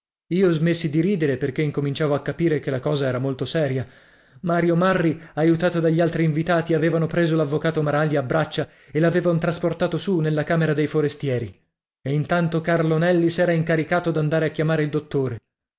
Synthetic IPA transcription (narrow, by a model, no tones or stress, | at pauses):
iːozmesːid̪iɾiːd̪eɾeperk̟eiŋkomint͡ʃaːvoakːapiːɾekelakɔːzaɛːɾamolt̪osɛːɾja | maːɾjomarːiajut̪aːt̪od̪aʎːalt̪ɾiːɱvit̪aːt̪iaveːvanopɾeːzolavːokaːt̪omaɾaʎjaːbɾat͡ʃːa | elaveːvant̪ɾasport̪aːt̪osunelːakaːmeɾad̪ejfoɾest̪jɛːɾi | eint̪ant̪okarlonɛlːisɛːɾaiŋkaɾikaːt̪od̪and̪aːɾeakːjamaːɾeild̪ot̪ːoːɾe